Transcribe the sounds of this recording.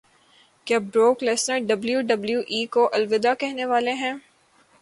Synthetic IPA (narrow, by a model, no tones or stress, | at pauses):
kaːbɾoːklɪsnəɾɖɐbljuɖɐbljuʔiːkoʔɐlʋɪd̪akɛɦneʋaːleɦɛ̃ː